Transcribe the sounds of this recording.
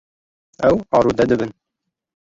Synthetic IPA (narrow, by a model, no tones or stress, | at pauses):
æwɑɾud̪æd̪ɘ̆bɘ̆n